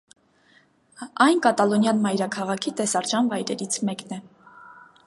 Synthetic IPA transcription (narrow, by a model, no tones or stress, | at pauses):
ɑjnkɑt̪ɑlɔnjɑnmɑjɾɑkʰɑʁɑkʰit̪ɛsɑɾt͡ʃɑnvɑjɾɛɾit͡sʰmɛknɛ